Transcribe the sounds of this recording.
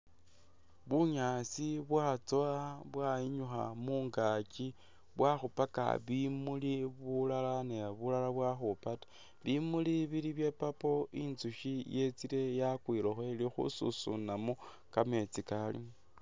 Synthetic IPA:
βuɲaːt͡siβwat͡soaβwaiɲuxa̰muːŋɡaci | βwaxupaka̰βimuliβulalaneβulalaβwaxupatḁ | βimuliβiliβje̞papo̞inzuʃijet͡siɾe̞jakwiɾoxwelixṵsṵsṵnamo | kame̞t͡sikalḭ

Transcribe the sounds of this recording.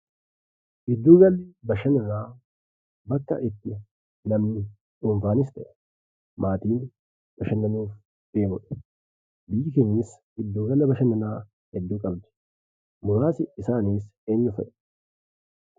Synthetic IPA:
ʔɪd̪ːuːɡɐlːɪbɐʃɐnɐnaː | bɐkːɐ̰ʔɪt̪ːɪ | nɐmnɪ | ʔuːɱfaːnɪs̬t̪ɛʔɛ | mʔaːt̪iːn | b̥ɐʃɐnːɐnuːf | d̪̥eːmʊᶑɐ̥ | bɪjːɪkɛniːs | ɪd̪ːuːɡɐlːɐbɐʃɐnɐnaː | hɛd̪ːuːkʼɐbd̪ɛ̥ | mʊɾaːsɪɪsaːniːseːɲːʊfɛʔɛ

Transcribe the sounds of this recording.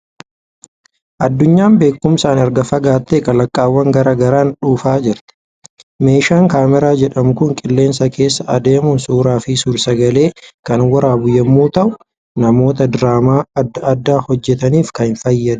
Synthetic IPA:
ʔɐd̪ːʊɲːaːmbe̞ːkːʊmsaːnɐɾɡɐfɐɡaːt̪ːeːkɐlɐkʼːaːwːɐŋɡɐɾaːɡɐɾaːnᶑuːfaːd͡ʒɪɾt̪ɛ̥ | me̞ːʃaːŋkaːmɛɾaːd͡ʒɛᶑɐmʊkʊŋkʼɪlːe̞ːnsɐke̞ːsːɐɐd̪e̞ːmʊnsuːɾaːfɪsʊɾsɐɡɐle̞ːkɐnwɐɾaːbʊjːɐmːuːt̪ɐʔʊ | nɐmo̞ːt̪ɐd̪ɾaːmaːɐd̪ːɐɐd̪ːaːhɔd͡ʒːɛt̪ɐniːfkɐɪnfɐjːɐd̪

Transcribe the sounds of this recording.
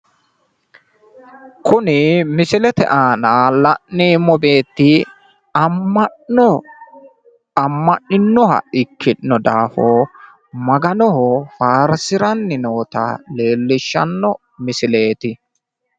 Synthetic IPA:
kʊnɪmɪsɪlɛt̪ɛ̰ʔaːnalɐʔːiːmɔbe̞ːt̪ːɪ | ɐ | ɔ | ɐmːɐʔːɪnːɔhɐ̰ɪkʰːɪːɔd̪aːfo | mɐɡɐnɔɦɔfaːɾsɪɾɐnːɪnoːt̪ɐ̰le̞ːlːɪʃːɐnːɔ | mɪsɪle̞ːt̪ɪ

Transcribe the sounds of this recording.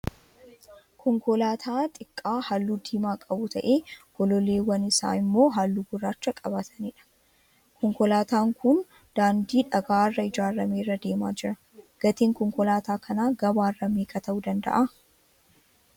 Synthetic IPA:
kʰɔŋkɔlaːt̪ʰaːt̪ʼɪkʼːaːhalːud̪iːmaːkʼɐbʊt̪ʰɐʔe̞ːɡ̥ɔlɔle̞ːwɐnɪsa̰ːɪmːo̞ːɦalːuɡʊrːaːt͡ʃːɐkʼɐbɐt̪ʰɐniːᶑɐ̥ | kʰɔŋkɔlaːt̪aːŋkʊn | d̪̥aːnd̪iːᶑɐɡaːrːɐɪd͡ʒaːɾːɐmeːrːɐd̪e̞ːma̰ːd͡ʒɪɾɐ | ɡ̥ɐt̪eːŋkɔŋkɔlaːt̪aːkʰɐnaːɡɐbaːrːɐmeːkʼɐt̪ɐʔud̪ɐnd̪ɐ̰ʔa

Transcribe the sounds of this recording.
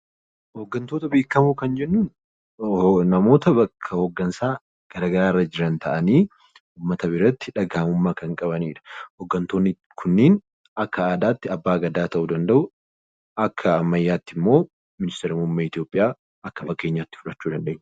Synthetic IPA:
hoɡːɐnt̪oːt̪ɐbeːkːɐmuːkɐnd͡ʒɛnːuːn | nɐmo̞ːt̪ɐbɐkʰːɐhoɡːɐnsaː | ɡ̥ɐɾaːɡɐɾaːɪrːɐd͡ʒɪɾɐnt̪ʰɐʔɐniː | uːmːɐt̪ɐβɪɾɐt̪ːɪᶑɐɡaːmʊmːaːkɐŋkʼɐβɐniːᶑɐ̥hɔɡːɐnt̪o̞ːnːɪ | kʰʊnːiːn | ɐkːɐaːd̪aːt̪ːɪɐbːaːɡɐd̪aːt̪ɐʔuːd̪ɐnd̪ɐʔʊ | ɐkʰːɐːmːɐjːaːt̪ːɪmːo̞ː | mɪnɪst̪eɾɪmʊmːɐɪt̪ɪjoːpʼːɪjaː | ɐkːɐfɐkːe̞ːɲːaːt̪ːɪ̥fʊᶑɐt͡ʃːuːd̪ɐnd̪eːɲː

